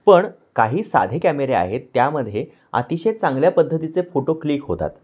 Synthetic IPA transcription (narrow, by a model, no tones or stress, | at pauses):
pəɳ | kaɦiːsa̰d̪ʱekæmeɾea̰ɦet̪ːjaməd̪ʱje | a̰t̪iɕet͡sãŋɡljapəd̪ʱːət̪it͡sefoʈokliːkɦot̪a̰t̪